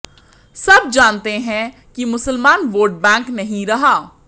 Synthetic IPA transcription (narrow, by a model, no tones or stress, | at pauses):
sɐb̚d͡ʒaːnt̪eɦɛ̃ | kimʊsəlmaːnʋoːʈ̚bɛ̃ːŋknɐɦĩɾɐɦaː